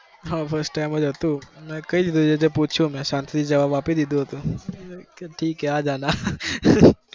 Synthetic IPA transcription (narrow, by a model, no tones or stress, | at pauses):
ɦãːfʰəɾsʈːaːɪmɐd͡ʒot̪umɛ̃kɐid̪id̪ud͡ʒed͡ʒɐpuːt͡ʃʰumɛ̃ʃãːnt̪ʰiid͡ʒɐʋaːbʋaːpisd̪id̪uot̪ũ | kʈʰiːkɦɛaːd͡ʒaːnaː